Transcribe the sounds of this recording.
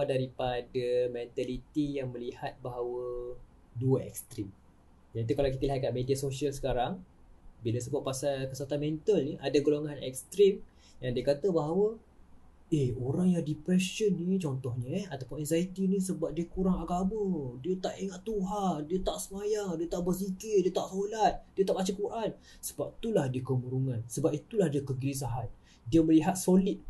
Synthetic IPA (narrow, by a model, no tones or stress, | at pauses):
daɾipadəmɛnt̪alit̪ijaŋmə̃lihat̪̚baɦawə | duəɛ̰kst̪ɾim | janit̪̬ukalawkit̪aliɦat̪̚kat̪̚mediasosiəlsə̥kaɾaŋ | bilas̬əbʊt̪̚pasalkəsat̪anmɛnt̪əlniʔadaɡoloŋãnɛ̰k̚st̪ɾim | jaŋdiakat̪əbaɦawə | ehoɾaŋjaŋdipɾɛʃənːit͡ʃɔnt̪ɔhɲəat̪apʊnɛnzait̪inĩsəbap̚diəkuɾaŋaɡamə̃diət̪aʔiŋaʔt̪uɦaŋdiət̪aʔsəmajaŋdiət̪aʔbərs̬ikɾidiət̪aʔsolat̪̚diət̪aʔbat͡ʃakuʔan | sə̥bap̚t̪ulahdiəkəmuɾuŋansəbap̚it̪ulahdiəkəɡilis̬aɦan̚ | diəməliɦat̪̚solit̪̚